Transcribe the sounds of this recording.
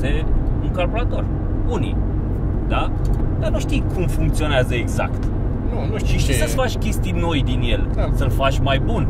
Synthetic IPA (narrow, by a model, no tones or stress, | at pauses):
euŋkorboɾat̪o̞r | unḭ | d̪a | d̪anuʃt̪ijkʰumfuŋk̚t̪sio̞neazəeɡza̰kt̪ | nunuisəfat͡ʃʲkʲe̞st̪ijno̞jd̪injelsəlfat͡ʃʲmajbun